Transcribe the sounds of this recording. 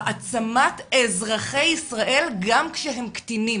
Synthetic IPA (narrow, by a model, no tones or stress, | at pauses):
ʔat͡samatezʁaχejisʁaʔe̞lɡamkʃeɦemkt̪ini